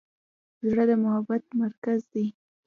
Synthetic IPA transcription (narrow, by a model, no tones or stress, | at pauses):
zɽad̪əmʊhabat̪̚maɾkazd̪e